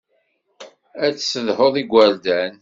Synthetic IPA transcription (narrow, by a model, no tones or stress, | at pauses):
æt͡sːsəðhoðˤiɡʷːæɾd̪æn